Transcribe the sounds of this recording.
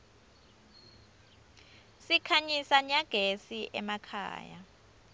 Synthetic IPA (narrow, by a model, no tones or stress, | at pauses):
sikʰaɲisaɲaɡ̥ʱesiʔɛmakʰa̰ːja̰